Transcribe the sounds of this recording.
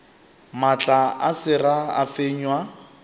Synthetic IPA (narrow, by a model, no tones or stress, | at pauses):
mat͡ɬʼaasɪraa̰feɲwa